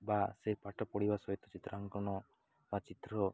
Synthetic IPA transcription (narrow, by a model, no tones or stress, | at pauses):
basepaʈɔpɔɽibasɔit̪ɔt͡ʃit̪ɾaŋkɔɳ̃ɔ | bat͡ʃit̪ɾɔ